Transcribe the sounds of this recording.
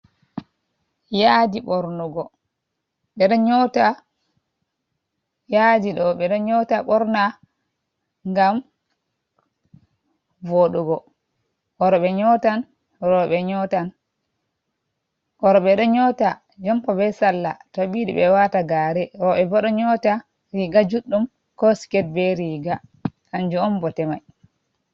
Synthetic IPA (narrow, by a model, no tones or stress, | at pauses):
jadiɓɔɾnɔɡɔ | ɓɛɗɔɲɔta | jadiɗɔɓɛɗɔɲɔtaɓɔɾna | ŋɡam | voɗuɡɔ | ʔɔɾɔɓɛɲɔtan | ɾɔɓɛɲɔtan | kɔɾɔɓɛɗɔɲɔta | d͡ʒɔmpɔbɛsalːa̰toɓiɗḭɓɛwataɡaːɾɛɾɔɓɛbɔɗɔɲɔta | ɾiɡad͡ʒuɗːum | kɔskɛt̚bɛɾiːɡahaɲd͡ʒuɔmbɔtɛmaj